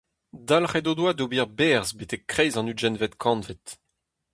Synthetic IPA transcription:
d̪alχɛdod̪wad̪obiʁbɛːʁzbet̪ɛkːχɛjzɑ̃nyʒɛnvɛt̪kʰɑ̃nvet̪

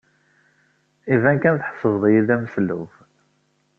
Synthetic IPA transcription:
ivænkænθħə̥fːəvðˤjiðæmslːṵf

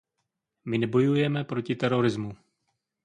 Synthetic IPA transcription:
mɪnɛbo̞jujɛmɛpɾo̞cɪt̪ɛɾo̞ɾɪzmu

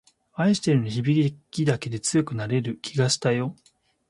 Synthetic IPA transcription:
aiɕi̥t̪e̞ɾɯ̟niçibʲiɡʲiɡʲid̪ake̞d̪e̞t͡sɨjo̞kɯ̟naɾe̞ɾɯ̟kʲʰiɡaɕi̥t̪ajo̞

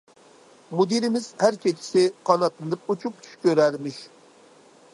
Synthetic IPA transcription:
mud̪iɾɪmɪz̥hæɾt͡ʃʰʲet͡ʃʰɪ̥sɪqʰɑnɑt̪ʰːɨnd̪ɨp̚ut͡ʃʰup̚t͡ʃʰy̥ʃkʲøɾæɾmɪʃ

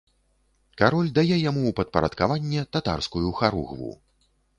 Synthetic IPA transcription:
kaɾɔlʲd̪ajɛjamupɐt̪̚pɐɾɐ̰t̪kavanʲːɛt̪at̪a̰rskujuxaɾṵɣvṵ

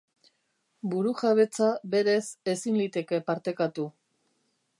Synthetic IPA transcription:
buɾuʝaβ̞e̞t͡saβe̞ɾe̞se̞sinlit̪e̞ke̞paɾt̪e̞kat̪u

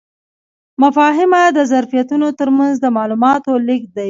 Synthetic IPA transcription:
mafɑɦɪmad̪əzaɾfijat̪unot̪əɾmanzd̪əmɑlumɑt̪olik̚d̪aj

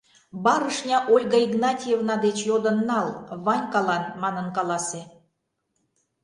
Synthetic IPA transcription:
bɑɾəʃnʲɑʔolʲɣɑiɡnɑtʲijevnɑd̪et͡ɕjod̪ə̆nːɑlβɑnʲkɑlɑnmɑnənkɑlɑse

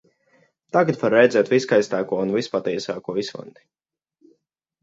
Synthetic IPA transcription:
t̪aɡat̪vaɾːɛjd̪zɛːt̪viskajst̪aːkuɔunvispat̪iɛsaːkuɔisva̰nd̪i̥

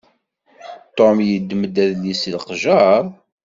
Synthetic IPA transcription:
t̪omjəd̪ːməd̪æðlislqʒɑɾˤ

